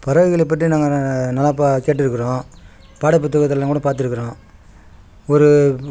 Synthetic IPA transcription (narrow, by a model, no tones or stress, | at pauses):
pɐɾɐʋɯɣɐɭɛpːɐʈrinaːŋɡɐnɐlːaːpakeːʈːɪɾɯkːɐɾõː | paːɽɐpːɯt̪̬ːɯɣɐt̪ːɪllaːŋkuːɽɐpaːɾt̪̬ɪɾɯkːɐɾõː | ɔɾɯ